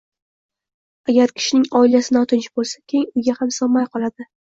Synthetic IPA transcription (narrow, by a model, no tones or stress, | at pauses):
aɡʲaɾkʲʰɪ̥ʃɪnɪŋɒɪlasɪnɒt̪ʰɪnt͡ʃʰɪbolˠsakʲʰeɪŋʊjɡʲahamsɒmːajqʰɒlˠad̪ɪ